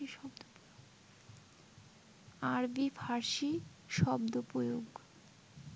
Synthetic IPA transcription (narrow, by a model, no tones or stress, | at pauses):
iʃɔbd̪opoo | aɾbifʰaɾʃi | ʃɔbd̪opɾojoɡ